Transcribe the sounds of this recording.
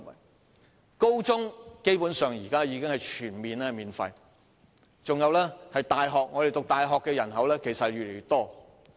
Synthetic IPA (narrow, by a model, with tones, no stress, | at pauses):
ko˥wt͡sʊ˥ŋke˥jpuː˨˥nsœː˨ŋjiː˨˩kaː˥jiː˨˧˥kɪ˥ŋhɐ˨jt͡ʃʰyː˨˩nmiː˨nɛː˥miː˨nfɐ̰˧j | t͡sʊ˨ŋjɐ˨˧wlɛː˥hɐ˨jt̪aː˨jɦɔː˨k̚ŋɔː˨˧de˨jt̪ʊ˨k̚t̪aː˨jɦɔː˨kːɛː˧jɐ˨˩nɦɐ˨˥wlɛː˥kʰe˨˩sɐ˨ɥyː˨le˨˩jy˨˩t̪ɔː˥